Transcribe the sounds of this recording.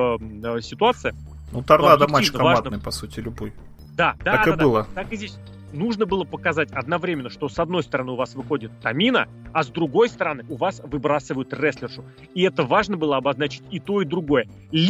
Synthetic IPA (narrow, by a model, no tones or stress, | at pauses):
sʲɪt̪ʊat̪sɨjə | nut̪ɐrnad̪əmiəvaad̪nɨjpɐsutʲɪlʲʊboj | d̪ad̪aaad̪ɨlˠət̪akɨzʲdʲesʲ | nuʐnəbɨlˠəpəkɐzatʲɐd̪nɐvɾʲemʲɪnːəʂt̪o̞sɐd̪no̞jst̪əɾɐnɨʊvasvɨxo̞dʲɪt̪ːɐmʲinə̰ | ɐzd̪ɾʊɡo̞jst̪əɾɐnɨʔʊvasvɨbɾasɨvəjʊt̪rɛsʲlʲɪrʐʊ | iɛt̪əvaʐnəbɨlˠəɐbɐznat͡ɕɪ̥tʲɪt̪o̞ɪd̪ɾʊɡo̞jə | lʲ